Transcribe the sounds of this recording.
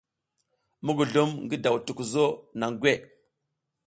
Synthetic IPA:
mu˦ɡu˨ɮu˦mŋɡə˦da˨wtu˨ku˨zo˦na˨ŋɡʷe˦˨

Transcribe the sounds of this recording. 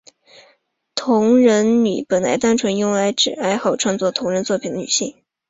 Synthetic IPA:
t̪ʰʊ˧˥ŋɻə˧˥nny̰˨˩pə˨˩nla̰˧˥ɪt̪a˥nʈ͡ʂʰwə˧˥njʊ˥ŋla˧˥ɪʈ͡ʂɻ̩˨˩a˥ɪxɑ˥˨˩ʊʈ͡ʂʰwa˥˧nt͡swɔ˥˩t̪ʰʊ˧˥ŋɻə˧˥nt͡swɔ˥˩pʰi˨˩nd̪ə˦ny̰˨˩ɕi˥˩ŋ

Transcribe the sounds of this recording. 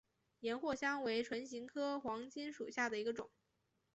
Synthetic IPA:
jɛ˧˥nxwɔ˥˩ɕjɑ˥ŋwe˧˥ɪʈ͡ʂʰwə˧˥nɕi˧˥ŋkʰɤ˥xwɑ˧˥ŋt͡ɕi˥nʂu˨˩ɕja˥˩d̪ə˩i˧˥ɡə˧ʈ͡ʂʊ̰˨˩˦ŋ

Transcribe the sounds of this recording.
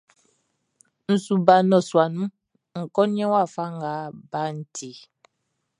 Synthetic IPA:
n̩˨su˨ba˨nɔ˨swa˨nũ˦ | ŋ̩˨kɔ˦n˦ɛ̃˦wa˦˨fa˦ŋ˨ɡa˨˦ba˦n̩˨tʰi˨

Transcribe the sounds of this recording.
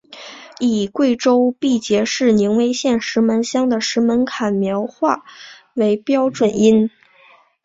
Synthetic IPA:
i˨˩kwe˥˩ɪʈ͡ʂo˥ʊpi˥˩t͡ɕjɛ˧˥ʂɻ̩˥˩ni˧˥ŋwe˥ɪɕjɛ˥˩nʂɻ̩˧˥mə˧˥nɕjɑ˥ŋd̪ə˨ʂɻ̩˧˥mə˧˥nkʰa˨˩nmjɑ˧˥ʊxwa˥˩ | we˧˥ɪpjɑ˥ʊʈ͡ʂwə˨˩ni˥n

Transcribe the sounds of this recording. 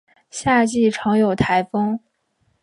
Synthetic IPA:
ɕja˥˧t͡ɕi˥˩ʈ͡ʂʰɑ˧˥ŋjo˨˩ʊt̪ʰa˧˥ɪfɤ˥ŋ

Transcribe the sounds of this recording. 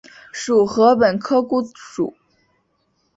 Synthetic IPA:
ʂu˨˩xɤ˧˥pə˨˩nkʰɤ˥ku˥ʂṵ˨˩˦

